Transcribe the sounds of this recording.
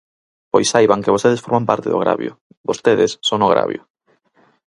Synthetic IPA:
pojsːajβaŋkɪβost̪eðesfoɾmampaɾt̪eðo̰ɣɾa̰βjʊ̰ | bost̪eðɪsːoŋoɣɾa̰βjʊ̰

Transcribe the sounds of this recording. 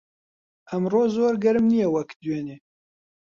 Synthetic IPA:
ʔɐmroːzoːɾɡɛɾɨmnijɛwɐkd̪weːneː

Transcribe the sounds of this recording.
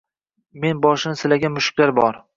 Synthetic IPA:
me̞nbɒʃɪnɪsɪlaɡʲanmʊʃʊ̥kʲlaɾbɒɾ

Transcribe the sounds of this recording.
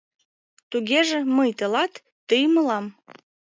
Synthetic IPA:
t̪uɣeʒeməjt̪əlɑt̪ː | əjməlɑm

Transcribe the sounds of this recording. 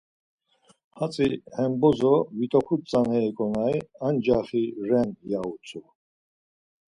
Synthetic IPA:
hat͡sʼihɛmbɔzɔvit̪ʼɔχʰut̪̚t͡sʼanɛːkʼɔnaiand͡ʒaχiɾɛnjaut͡sʰʼu

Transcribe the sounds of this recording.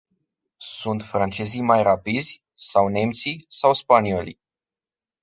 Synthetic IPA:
sunt̪fɾant͡ʃe̞zijmajrapid̪zʲ | sawne̞mt̪sisawspanio̞li

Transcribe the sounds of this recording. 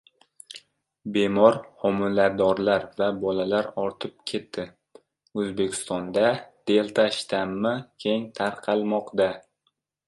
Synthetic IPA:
be̞mɒɾhɒmʊlad̪ɒɾlaɾvabɒlalaɾɒɾt̪ʰɪp̚kʲʰe̞t̪ʰːɪ | ɵzbekʲʰɪ̥st̪ɒnd̪ad̪̥e̞lˠt̪ʰaʃt̪ʰamːɪkʲʰe̞ŋt̪ʰaɾqʰɑlˠmɒqd̪a

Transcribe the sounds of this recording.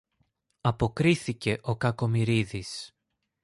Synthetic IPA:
ɐpo̞kɾiθice̞ʔo̞kɐko̞miɾiðis

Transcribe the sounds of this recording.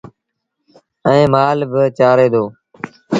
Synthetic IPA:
ɛ̃ːmaːlbɪt͡ʃaːɾeːd̪oː

